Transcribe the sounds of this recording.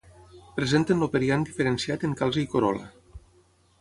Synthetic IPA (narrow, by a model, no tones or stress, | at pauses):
pɾezent̪ənlopeɾiand̪ifeɾensiat̪eŋkalˠzəikoɾɔ̰lə̰